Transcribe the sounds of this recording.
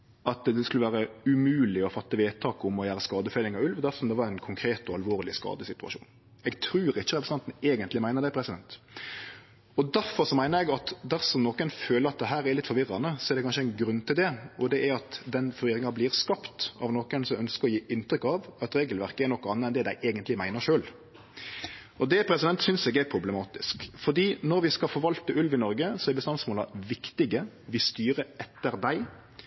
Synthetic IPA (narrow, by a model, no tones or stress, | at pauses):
ɑt̪d̪ɛskʉləʋæːɾəʉmʉːlɪɔfɑt̪ːəʋeːt̪ʰɑːkʊmɔjæːɾəskɑːd̪əfɛlɪŋɑʋʉlʋd̪æɾsɔmd̪ɛʋɑɾɛnkʰʊŋkʰɾeːt̪ɔɑlʋoːɾlɪskɑ̰ːd̪əsɪt̪ʉɑ̰ʃṵːn | ɛɡt̪ʰɾʉːɾɪːəɾɛpɾsnɑnt̪n̩eːɡənt̪lɪmæɪnəʁd̪æɪpʰɾɛsɪd̪ɛnt̪ | ɔd̪æɾfɔɾsɔmæɪnəɾɛɡɑt̪d̪æɾsɔmnɔkənføːləɾɑt̪̚d̪ɛɦæːɾæɾlɪt̪fɔɾʋɪɾɑnəsɔɛɾd̪ɛkɑnʃəɛɪnɡɾʉnːt̪ʰɪld̪ɛɔd̪ɛʔæɾɑt̪d̪ɛnfɔɾʋɪɾɪŋɑblɪɾskɑpt̪ɑ̰ʋnɔkənsɔmœnskəʁɔjiːʔɪnt̪ɾʏkɑʋɑt̪ɾeːɡəlʋæʁkəɛɾnɔkːɑnːəɛnd̪ɛd̪æɪʔeːɡənt̪lɪmæɪnəʂøːl | ʔɔd̪ɛpʰɾɛsɪd̪ɛnt̪sʏnsɛːɡɛɾpʰɾʊblɛmɑːt̪ɪskfɔd̪iːnɔɾʋɪskɑfoːʋɑlt̪əʔʉlʋɪnɔɾɡəsɔɛɾbəst̪ɑnsmoːlɑʋɪkt̪ɪɡə | ʋɪst̪yːɾəɛt̪ːəɾd̪æɪ